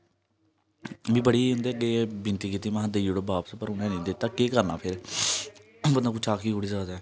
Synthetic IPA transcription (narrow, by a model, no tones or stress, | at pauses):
ʋiːbəɽiːʊ̃nd̪eːəɡeːbɪnt̪iːkiːt̪ːiːmãːɦd̪əid͡ʒoɽbaːpspəɾʊnɛ̃ːnĩːd̪eːt̪ːaːkeːkəɾna̰ːpʰɪɾ | bənd̪ãːkʊt͡ʃʰaːkʰiːkoɽiːzaːd̪ɛː